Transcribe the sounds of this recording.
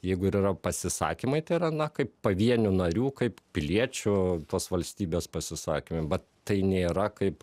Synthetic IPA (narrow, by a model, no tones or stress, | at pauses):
jɛɪɡʊɪɾirɐpɐsʲɪsɑ̰ːkʲimɐɪt̪ɐɪɾɐnɐkɐɪppɐʋʲiɛnʲʊnɐɾʲuːkɐɪppʲɪlʲiɛt͡ʃʲʊt̪oːsʋɐlʲsʲt̪ʲiːbʲeːspɐsʲɪsɑ̰ːkʲimɐɪbʲɛt̪ | t̪ɐɪnʲeːɾɐkɐɪp